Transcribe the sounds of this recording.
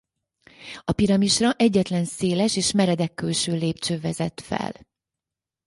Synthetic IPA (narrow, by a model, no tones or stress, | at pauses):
ɒpiɾɒmiʃrɒʔɛɟːɛt̪lɛnseːlɛʃeːʃmɛɾɛd̪ɛkːølʃøːleːp̚t͡ʃøːvɛzɛt̪fɛ̰l